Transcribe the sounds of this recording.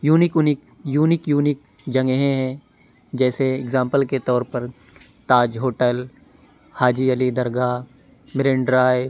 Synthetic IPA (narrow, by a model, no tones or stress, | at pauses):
juːnɪknɪ | juːnɪkjuːnɪk̚ | d͡ʒɐ̃ŋɡɦẽɦɛ̃ | d͡ʒɛːseɪɡzãːmpəlket̪ɔːɾpəɾ | t̪aːd͡ʒɦoːʈəl | haːd͡ʒiɐlid̪ɐɾɡa | mɪɾẽɳɖɾaːj